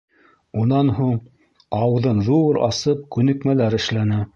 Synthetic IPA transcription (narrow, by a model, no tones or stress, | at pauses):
unɑnɦuɴ | ɑwðɤnðuɾɑ̰sɤp̚kʉnɘ̆kmælæɾɘ̆ʃlænæ